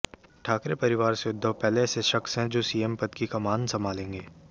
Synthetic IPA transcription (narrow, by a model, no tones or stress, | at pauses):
ʈʰaːkɾepɐɾɪʋaːɾseʊd̪ʱːəʋpɛːleːseʃɐksɦɛ̃d͡ʒoːsiːempɐt̪kikamaːnsɐmaːlẽːŋɡeː